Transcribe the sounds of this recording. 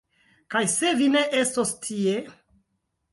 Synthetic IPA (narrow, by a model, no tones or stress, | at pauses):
kajse̞vine̞ʔe̞stostʰie̞